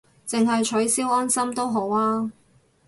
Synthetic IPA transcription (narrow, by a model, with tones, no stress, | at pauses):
t͡sɪ˨ŋɦɐ˨jt͡ʃʰɵ˨˥ɥsiː˥wɔː˥nsɐ˥mt̪o˥wɦo˨˥waː˥